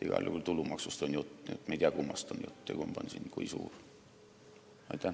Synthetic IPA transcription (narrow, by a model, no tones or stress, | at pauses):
iɡ̥ɑ̰ljṵkult̪ulumɑksust̪onjut̪ːu̥jṵt̪ːmeijd̪ʲiɑkumːɑst̪onjṵt̪ːujɑ̰kumɑpɑnʲsḭnkuisṵːr | ɑjt̪ːˑæ